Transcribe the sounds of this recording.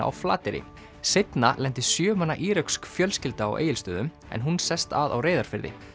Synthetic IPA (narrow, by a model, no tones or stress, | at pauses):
a̰ʔa̰wfla̰ːt̪ɪɾɪ̰ | sejt̪nalɛnt̪ɪsjœːmanːaʔiːɾœɥkskfjœlscɪlt̪aa̰wʔḛːjɪlst̪œːðʏm | ɛ̰nɦunsɛst̪aðawreːjðaɾ̥fɪɾðɪ̰